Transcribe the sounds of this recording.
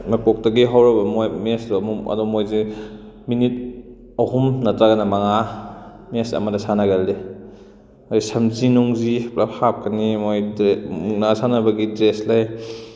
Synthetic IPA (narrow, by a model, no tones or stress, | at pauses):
mapɔk̚tɐɡiɦawɾɐbɐmojmesdmuɐ̰dɔmojzi | minit̚ | ɐhumnɐtaɡɐnamaŋa | mesɐ̰madasanaɡale | ojsɐmzinuŋziplʔaphap̚kʰɐnimojmuŋnasanabɐɡidɾeslaj